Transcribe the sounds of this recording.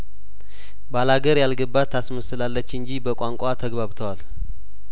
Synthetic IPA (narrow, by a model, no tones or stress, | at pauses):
balaɡəɾjalɡəbːat̪ʰːasməsɨlalːət͡ʃːɨɲd͡ʒibəkʼaŋkʷʼat̪ʰəɡβaβt̪ʰəwal